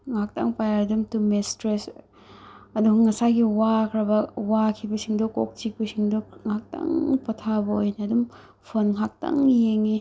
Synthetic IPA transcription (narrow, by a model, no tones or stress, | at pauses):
ŋak̚ta̰ŋpajaɾdumtumestɾes | ɐduɡuŋɐsajɡiwakʰɾɐbɐwakʰibɐsiŋdɔko̰k̚t͡ʃik̚bɐsiŋdɔŋak̚ta̰ŋpɐtʰabɐojnɐːdum | pʰonŋak̚ta̰ŋjeŋi